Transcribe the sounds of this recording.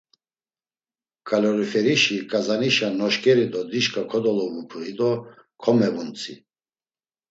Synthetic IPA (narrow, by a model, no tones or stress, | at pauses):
kʰʼalɔɾifɛɾiʃikʼazaniʃanɔʃkʼɛɾid̪ɔd̪iʃkʰʼakʰɔd̪ɔlɔvupʰɾid̪ɔ | kʰɔmɛvunt͡sʰʼḭ